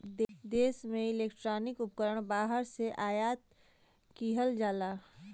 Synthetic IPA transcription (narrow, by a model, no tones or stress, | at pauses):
d̪eːsmẽɪleːkʈɾaːnɪkʊp̚kəɾəɽ̃baːɦəɾseʔaːjaːt̪ | kiɦəld͡ʒaːlaː